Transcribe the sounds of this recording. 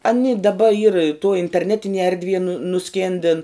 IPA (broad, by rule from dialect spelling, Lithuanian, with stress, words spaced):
ɐˈnʲɪ dɐˈbɐ iːr tuɔ ɪnʲtʲɛrʲˈnʲæːtʲɪnʲiɛ ɛrʲdʲˈʋʲiɛ nʊ nʊˈsʲkʲeːnʲdʲɪn